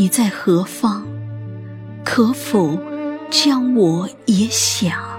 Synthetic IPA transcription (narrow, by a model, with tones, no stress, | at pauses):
i˨˩t͡sa˥˩ɪxɤ˧˥fɑ˥ŋ | kʰɤ˧˥fo˨˩˦ʊt͡ɕjɑ˥ŋwɔ˨˩ | jɛ˧˥ɕjɑ˨˩˦ŋ